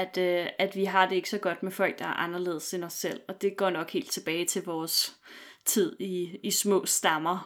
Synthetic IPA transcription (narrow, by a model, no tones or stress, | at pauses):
æd̥æd̥ʋiɦɑ̈d̥e̝e̝ɡ̥sɒ̽ɡ̥ɒ̽d̥mefɒ̽l̰ɡ̥̚d̥ɑæɐʔɑ̈nɐle̝̰ːð̩ˠse̝nɒsel̰ɒ̽d̥e̝ɡ̥ɒ̰ːnɒ̽ɡ̥he̝̰ːld̥̚t͡sʰe̝b̥ɛːɪt͡sʰe̝lʋɒːst͡sʰið̞̰ˠiːsmɔ̰ːsd̥ɑ̈mɐ